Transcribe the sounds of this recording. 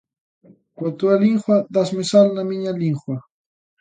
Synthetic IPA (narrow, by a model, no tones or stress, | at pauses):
kʷat̪ualiɴxwad̪asmɪsalnamɪɲaliɴχwa